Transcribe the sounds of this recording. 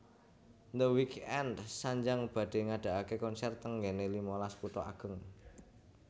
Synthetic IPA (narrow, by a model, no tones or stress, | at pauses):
nd̪əwikɛndsaɲd͡ʒaŋb̥ä̤ɖ̥e̤ŋaɖ̥a̤ʔakekɔnsɛrt̪əŋɡɛnelimɔlasput̪ɔaɡ̥ə̤ŋ